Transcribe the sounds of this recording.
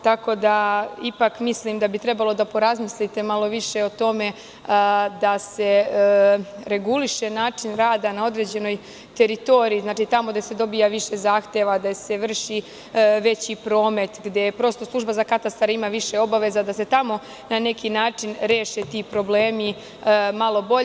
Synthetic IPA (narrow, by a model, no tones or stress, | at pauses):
t̪ako̞d̪aipakmislimd̪abit̪ɾe̞balˠo̞d̪apo̞ɾazmislit̪e̞malˠo̞ʋiʃe̞ot̪o̞me̞ | d̪ase̞ | ɾe̞ɡuliʃe̞naːt͡ʂinɾaːd̪anao̞d̪ɾe̞ːd͡ʑe̞no̞j | t̪e̞ɾit̪o̞ɾiːznaːt͡ʃit̪amo̞d̪ase̞d̪o̞bijaʋiʃe̞zaːxt̪e̞ʋad̪ase̞ʋr̩ʃi | ʋe̞t͡ɕipɾo̞ːme̞t̪ɡd̪e̞pɾo̞st̪o̞slˠuʒbazakat̪ast̪aɾimaʋiʃe̞o̞baʋe̞zad̪ase̞t̪amo̞ | nane̞kinaːt͡ʂinɾeːʃet̪iːpɾo̞bleːmi | malo̞bo